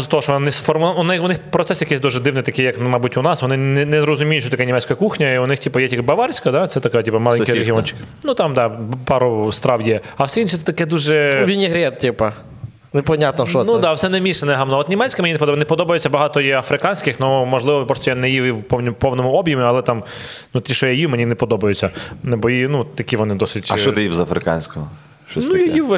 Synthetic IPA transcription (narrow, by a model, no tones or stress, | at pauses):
zɐt̪ɔɦɔʃɔnɪsfɔrmʊnɪʊnɪxpɾɔt̪sɛsjɐkɛsʲd̪uʒɛd̪ɪwnɪjt̪ɐkɪjɐknmɑjbutʲʊnɑsʋɔnɪnɛnɛzɾɔzʊmʲijʊtʲʃt͡ʃɔt̪ɐknʲimɛt͡sʲkɐɐkuxnʲɐiʊnɪxtʲipɐjɛtʲikbɐʋɑɾʲsʲkɐd̪ɑt̪sɛt̪ɐkatʲipɐmɑlˠɛnkʲijɾeɦʲiɔnʲt͡ʃɪ̥kɪ̥nut̪ɑmd̪ɑpɑɾʊst̪ɾɑwjɛɐwsɛinʃɛsɛt̪ɐkɛd̪uʒɛʋʲinʲiɦɾʲɛt̪̚tʲipɐ | nɛpɔnʲat̪nɔʃt͡ʃɔnud̪ɑʋsɛnɛmʲisɛnɛɦɐmnɔɔt̪nʲimɛt͡sʲkʲɪmenʲinɛpɔd̪ɔbjnɛpɔd̪ɔbɐjʊt͡sʲːɐbɐɦɑt̪ɔjɛɐfɾɪkɑnʲsʲkɪxnumɔʒlˠɪʋɔbɔst̪ɔjanɛjijiwpɔwnʲipɔwnɔmʊɔbʲjɐmʲiɐlˠɛt̪ɑm | nut̪ʲiʃɔjɐjiwmenʲinɛpɔd̪ɔbɐjʊt͡sʲːɐnbɔjinut̪ːɐkʲiʋɔnɪd̪ɔsɪtʲɐʃɔɪjizɐfɾɪkɑ̰nʲsʲkɔɦɔ | ʃt͡ʃɔnujɐji